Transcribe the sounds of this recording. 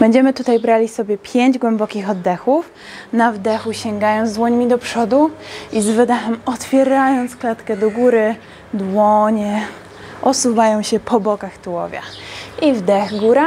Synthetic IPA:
b̥ɛɲd͡ʑɛmɘt̪ut̪ajbɾalʲisɔbʲjɛpʲjeɲd͡ʑɡwɛmbɔkʲixɔd̪ːɛxuf | navd̪ɛxuɕɛŋɡajɔ̃ñzd̪wɔɲmʲid̪ɔpʂɔd̪uizvɘd̪ɛxɛmɔt̪fʲjɛɾajɔnt̪sklat̪kɛd̪ɔɡuɾɘ | d̪wɔɲɛ | ʔɔsuvajɔ̃w̃ɕɛpʰɔbɔkaxt̪uwɔ̰vʲja̰ivd̪ɛxɡuɾa

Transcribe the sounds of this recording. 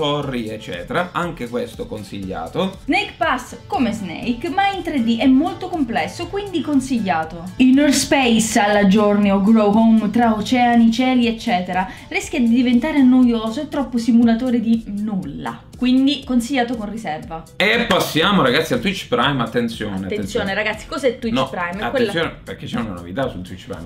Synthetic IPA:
ɔrːiet͡ʃːɛ̰ːt̪eɾaʔaŋk̟ekwest̪okonsḭʎːa̰ːt̪oznejkpaskːomeznḛjkmaint̪ɾed̪iʔɛmːolt̪okomplɛsːokwind̪ikonsiʎːaːt̪oinɔrspɛjsalːad͡ʒornioɡɾoɦomt̪ɾaot͡ʃɛːanit͡ʃɛːliet͡ʃːɛːt̪eɾa | riskʲjad̪id̪ivent̪aːɾeanːojoːzoɛt̪ːɾɔpːosimulat̪oːɾed̪inulːa̰ | kwind̪ikonsiʎːaːt̪okonrisɛrva | epːasːjaːmoɾaɡat̪sialt̪wit͡ʃːpɾajmat̪ːent̪sjo̰aneat̪ːensjoːneɾaɡat̪sːi̥kozɛt̪ːwinɔpɾajmakwesoːnpeɾk̟et͡ʃːɛuna̰no̰vḭt̪asṵlt̪wit͡ʃːpɾa̰jm

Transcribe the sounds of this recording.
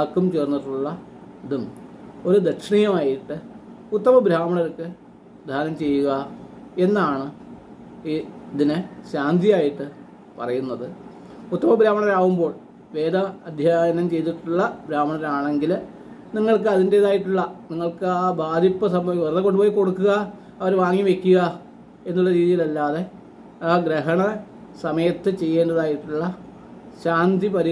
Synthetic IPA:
aːkːumt͡ɕeːrnːiʈːuɭːɐ | ɐd̪umo̞ɾud̪ekʂɳijɐmaːjiʈːɨ | ut̪ːɐmɐbɾaːmɐɳɐɾkːɨ | d̪ʱaːnɐmt͡ɕe̞jːuɣɐe̞nːaːɳɨ | ɐðinɨɕaːnd̪ijaːjiʈːɨ | pɐ̰rɐjunːɐðɨ | ut̪ːɐmɐbʱɾaːmɐɳɐɾaːʋumbo̞ːɭ | ʋe̞ːd̪ɐɐd̪ʱjaːjɐnɐmt͡ɕe̞jt̪iʈːuɭːɐbɾaːmɐɳɐɾaːɳeŋɡil | niŋːɐɭkɨɐðinde̞ːðaːjiʈːuɭːɐniŋːɐɭkɨaːbaːd̪ʱipːɐsɐmʋerðɐk̬ːo̞ɳɖɨpo̞ːjiko̞ɽukːuɣɐ | ɐʋɐɾʋaːŋːiʋe̞kʲːuɣɐ | e̞nːuɭːɐɾiːðijilɐlːaːðe̞ | aːɡɾeɦɐɳɐ | sɐmɐjɐt̪ːɨt͡ɕe̞jːe̞ːndɐðaːjiʈːuɭːɐ | ɕaːnd̪ipɐɾi

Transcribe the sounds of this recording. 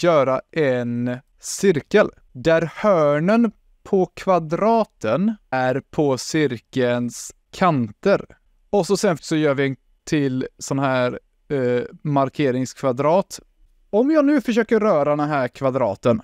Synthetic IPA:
jœːɾaʔɛn | sʏɾkəl | d̪æɾhœːɳən | pʰɔkʰvad̪ɾɑːt̪ʰənæɾpʰɔsʏɾkəəns | kʰant̪əɾ | ɔsɔsɛnfsɔjœːɾvɪɛn | t̪ʰɪlsɔnːahæːɾ | maɾkʰeːɾɪŋskʰvad̪ɾɑːt̪ | ɔmjɑːnʉ̟ːfœʂøːkəɾœːɾad̪ɛnɦæːɾkʰvad̪ɾɑ̰ːt̪ən

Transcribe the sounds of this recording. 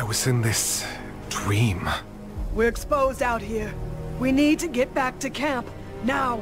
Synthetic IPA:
aɪwʌzɨ̃nðɪs | d̥ɹĩm | wiɹɨkspoʊzdaʊt̚hiɹwinid̚tɨɡɛt̚b̥æk̚tɨkʰæ̃mp | naʊ

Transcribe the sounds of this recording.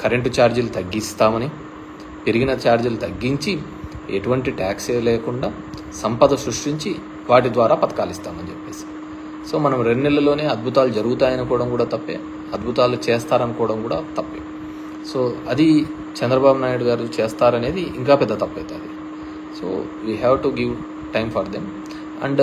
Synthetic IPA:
kɐɾeɳʈt͡ʃaːɾd͡ʒulut̪ɐɡːist̪aːmɐni | peɾiɡinɐt͡ʃaːɾd͡ʒulut̪ɐɡːiɲt͡ʃi | ḛʈuʋɐɳʈiʈaːkseːleːkuɳɖaː | sɐmpɐd̪ɐsɾuʂʈiɲt͡ʃi | ʋaːʈ̬id̪ʋaːɾaːpɐt̪ɐ̥kaːlist̪aːmɐnit͡ʃepːe̞ːsi̥ | so̞ːmɐnɐmɾenːɛlːɐlo̞ːne̞ːɐd̪̚bʱut̪aːlud͡ʒɐɾuɡut̪aːjɐnikɔːɽɐmkuːɽaːt̪ɐpːḛː | ɐd̪bʱut̪aːlut͡ʃeːst̪aːɾɐnikɔːʋɐɽɐmkuːɽaːt̪ɐpːeː | soːɐd̪i | t͡ʃɛnd̪ɾɐbaːbunaːjuɽuɡaːɾut͡ʃeːst̪aːɾɐne̞ːd̪iiŋkaːpɛd̪ːɐt̪ɐpːɐjt̪aːd̪i | so̰ː | ʋiːɦɛːʋʈuɡiʋ | ʈɐjmfʰɐɾd̪em | ɐ̰ɳɖ

